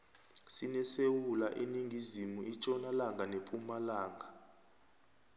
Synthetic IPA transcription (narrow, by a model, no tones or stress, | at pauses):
sinɛsewulaʔiniŋɡʱizimuit͡ʃʼɔnalaŋɡʱanepʼumalaːŋɡʱa